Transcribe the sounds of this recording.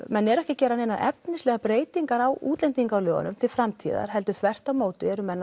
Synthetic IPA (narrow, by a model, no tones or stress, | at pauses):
mɛnːɛɾɛhcɪcɛːɾanejnaɛpnɪslɛːɣapɾeːjt̪iŋkaɾawuːt̪lɛnt̪iŋkawlœːɣa̰nʏmt̪ʰɪlfɾamt̪ʰḭːða̰ɾ̥hɛlt̪ʏ̥θvɛr̥t̪amoːwt̪ɪɛɾʏmːɛnːa